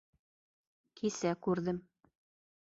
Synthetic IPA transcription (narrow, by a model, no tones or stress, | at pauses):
kisækʉɾðɘm